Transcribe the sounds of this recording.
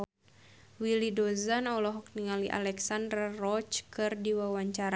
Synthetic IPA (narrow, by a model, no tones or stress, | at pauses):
wilidɔzanɔlɔɦɔk̚niŋaliʔa̰lɛksandrarɔt͡ʃkɨrdiwawaɲt͡ʃaɾa